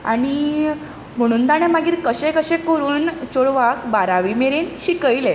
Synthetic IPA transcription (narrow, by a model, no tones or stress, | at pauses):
a̰ɽ̃i | m̤əɽ̃ũːnt̪aɽ̃emaɡiːɾkəɕɛ̃kəɕɛ̃kəɾuːnt͡ɕoɽʋakbaɾaʋimeɾenɕikəjle